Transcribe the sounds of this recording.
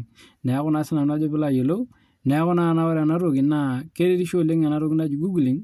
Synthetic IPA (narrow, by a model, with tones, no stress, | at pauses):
nɛ˨˦kʊ˦na˦sɪ˦na˨n˦a˦d͡ʒo˦pɪ˦la˨je˨lo˦ | nɛ˨˦kʊ˦na˦˨na˦wa˦ɾa˨na˦ɾo˨kɪ˨na˨ke˦ɾe˦ɾi˦ʃo˦˨le˦ŋɛ˨na˦ɾo˦kɪ˦na˦d͡ʒu˨ɡu˦ɡli˨˦ŋ